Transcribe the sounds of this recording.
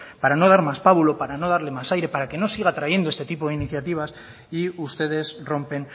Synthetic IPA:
paɾano̞ð̞aɾmaspaβulopaɾano̞ð̞aɾle̞masajɾe̞paɾake̞no̞siɣ̞aːt̪ɾaʝe̞nd̪oe̞st̪e̞t̪ipo̞ð̞einiθjat̪iβ̞as | iust̪e̞ð̞e̞sro̞mpe̞n

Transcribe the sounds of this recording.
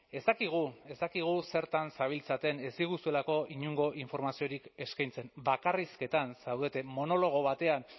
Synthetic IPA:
e̞st̪akiɣ̞ue̞st̪akiɣ̞use̞ɾt̪ansaβ̞ilt͡sat̪e̞nesiɣusue̞lako̞ʔiɲuŋɡo̞ʔiɱfo̞ɾmasio̞ɾike̞skajnt͡se̞mbakariske̞t̪ansawðet̪e̞mo̞no̞lo̞ɣ̞o̞βat̪e̞an

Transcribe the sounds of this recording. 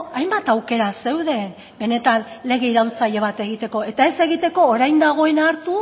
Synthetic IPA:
ajmbat̪awke̞ɾase̞wðe̞n | be̞ne̞t̪anle̞ɣ̞e̞iɾawnt͡saʎe̞β̞at̪e̞ɣ̞it̪e̞ko̞e̞t̪ae̞se̞ɣit̪e̞ko̞ːɾajnd̪aɣ̞o̞e̞naɾt̪u

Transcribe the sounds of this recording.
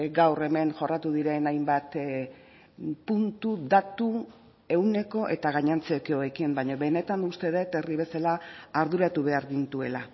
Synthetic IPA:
ɡawre̞me̞nʝo̞rat̪uðiɾe̞najmbat̪ | punt̪uðat̪u | e̞wne̞ko̞ʔe̞t̪aɣ̞aɲant͡sekeoekimbaɲoβe̞ne̞t̪anust̪e̞ðet̪e̞riβe̞salaːɾðuɾat̪uβe̞aɾɣint̪ue̞la

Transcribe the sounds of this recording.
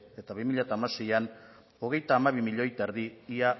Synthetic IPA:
e̞t̪aβimiʎat̪aːmase̞jan | o̞ɣ̞e̞jt̪aːmaβimiʎo̞jt̪aeɾðiia

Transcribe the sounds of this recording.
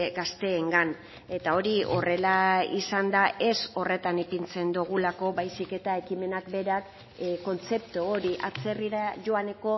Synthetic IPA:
ɡast̪e̞ːŋɡan | e̞t̪ao̞ɾio̞re̞laisand̪aʔe̞so̞re̞t̪anipint͡se̞nd̪uɣ̞ulako̞bajsike̞t̪ae̞kime̞nakbe̞ɾak | ko̞nt͡se̞pt̪ooɾiʔat͡se̞riɾaʝo̞ane̞ko̞

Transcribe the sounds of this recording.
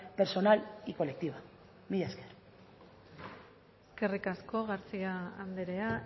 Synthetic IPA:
peɾso̞naliko̞le̞k̚t̪iβa | miʎaskeɾ | eskerikasko̞ɣaɾt͡siaand̪eɾe̞a

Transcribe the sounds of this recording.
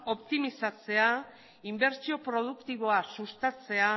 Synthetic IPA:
o̞pt̪imisat͡se̞a | imbe̞ɾt͡sio̞pɾo̞ð̞ukt̪iβ̞o̞asust̪at͡se̞a

